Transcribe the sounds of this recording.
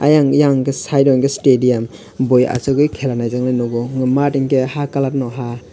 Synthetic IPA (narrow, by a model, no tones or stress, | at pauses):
a̰jaŋjaŋɡesajdɔŋɡestedijam | boja̰sɯɡɯjkʰelanajzaŋnajnɔɡɔŋmatiŋɡehakalat̚nɔɦa